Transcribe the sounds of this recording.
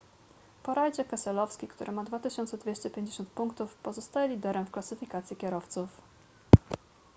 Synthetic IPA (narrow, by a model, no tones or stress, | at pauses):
pɔɾajd͡ʑɛkɛsɛlɔfskʲikt̪uɾʔɘmad̪vat̪ɘɕɔnt̪sɛd̪vʲeɕt͡ɕɛpʲjeɲd͡ʑeɕɔ̃nt̪̚puŋkt̪ufpɔzɔst̪ajɛlʲid̪ɛɾɛmfklasɘfʲikat̪sʲjikʲɛɾɔft̪suf